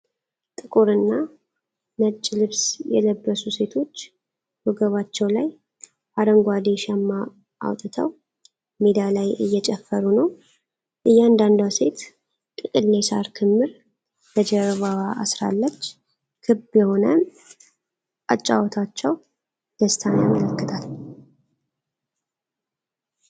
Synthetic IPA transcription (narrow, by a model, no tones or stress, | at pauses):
t̪ʼɨkʼuɾɨnːa | nət͡ʃʼːlɨβsjɛ̰ləbːəsuse̞t̪ʰo̞t͡ʃː | buɡəβat͡ʃːɛwlaj | ʔaɾəŋɡʷad̪eʃɛmːa | ʔːwt̪ʼɨt̪ʰəw | med̪alajɨ̰jːɛt͡ʃʼɛfːəɾunəw | ʔɨjːand̪and̪awse̞t̪ | t̪ʼɨkʼɨlːesa̰ɾk̪ʰɨmːɨɾ | bəd͡ʒɛɾβawaʔa̰sɾa̰lːət͡ʃː | kʰɨbjɛho̞nə | at͡ʃʼːa̰wɔt̪ʰat͡ʃːɛw | d̪̥əst̪ʰanjamələkːɨt̪ʰal